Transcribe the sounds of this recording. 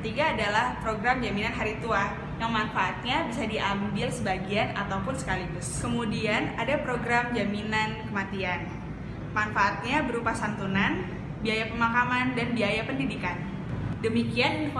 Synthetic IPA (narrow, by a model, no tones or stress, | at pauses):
kət̪iɡaːdalahpɾoɡɾamd͡ʒaminanɦaɾit̪ua | jaŋmanfaat̪̚ɲabisadiʔambɪlsəbaɡianat̪awpʊnsə̥kaliɡʊskəmudianadapɾoɡɾamd͡ʒaminankəmat̪ian | manfaʔat̪̚ɲabəɾupasant̪unan | biajapəmakamandanbiajapəndidikan | dəmikian